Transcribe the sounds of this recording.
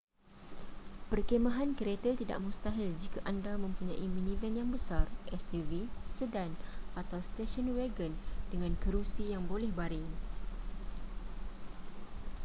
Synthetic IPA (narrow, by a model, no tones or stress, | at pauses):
pərkemãɦankəɾet̪ət̪ida̰ʔmũst̪aɦɪld͡ʒikaʔandamə̃mpuɲãʔimĩnĩvɛnjaŋbəsarʔɛsivisədanʔat̪awst̪eʃɔnweɡəndəŋãnkəɾusijaŋbolɛhbaɾɪŋ